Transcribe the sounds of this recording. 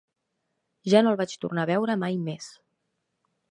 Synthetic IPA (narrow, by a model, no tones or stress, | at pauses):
ʒanolˠβat͡ʃt̪ṵrnaβɛwɾəmajmes